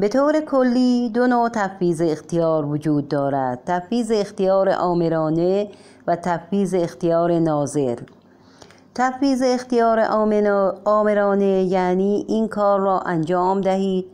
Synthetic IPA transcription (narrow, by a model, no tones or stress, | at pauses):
bet̪ʰoːɾekʰolːiːd̪onoːt̪ʰæfːiːzeːxt̪ijɒːɾvod͡ʒuːd̪̚ːɒːɾæd̪̥̚t̪ʰæfiːzeːxt̪ijɒːɾḛʔɒːmeɾɒːne | væt̪ʰæfiːzeːxt̪ijɒːɾenɒːze̞ɾ | t̪ʰæfiːzeːxt̪ijɒːɾḛʔ | ɒːmeɾɒːnejæːniːʔiːnkʰɒːɾːɒːʔænd͡ʒɒːmd̪æɦiːd̪̥